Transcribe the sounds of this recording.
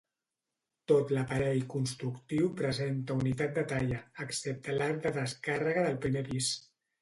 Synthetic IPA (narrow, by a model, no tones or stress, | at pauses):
t̪ot̪ləpəɾɛʎkunst̪ɾukt̪iwpɾəzent̪əunit̪at̪̚d̪ət̪aʎəːksep̚t̪əlaɾ̚d̪əðəskarəɣəðəlˠpɾimeβis